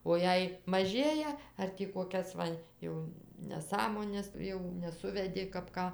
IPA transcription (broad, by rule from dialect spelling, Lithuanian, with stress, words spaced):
oː ˈjɛɪ mɐˈʒʲeːjɛ ɐr ˈtʲiː koːˈkʲɛs ʋɐ ˈjɛʊ nʲɛˈsɑːmoːnʲɛs ˈjɛʊ nʲɛˈsʊʋʲɛdʲɪ kɐp ˈkɑː